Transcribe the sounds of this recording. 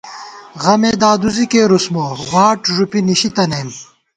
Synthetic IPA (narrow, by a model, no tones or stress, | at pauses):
ɣɐmeːd̪aːd̪uzikeːɾusmoːwaːʈʐupiniɕit̪ɐneːm